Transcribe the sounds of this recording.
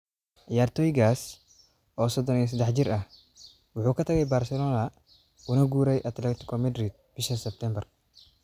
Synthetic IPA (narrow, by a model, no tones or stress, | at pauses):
ʔajaːrt̪ʰɔːjɪɣaːs | ɔːsɔd̪ɔnis̬ɐd̪ɛħd͡ʒɪɾʔɐh | wʊħuːkʰɐt̪ʰɐɣɛjbaːrsɛlɔːnɐ | ʊnɐɡuːɾɛjʔɐt̪lɛkt̪ɪ̥kʰɔmɐd̪ɾid̪̚b̥ɪʃɐsɛb̚t̪ʰɛmbɛr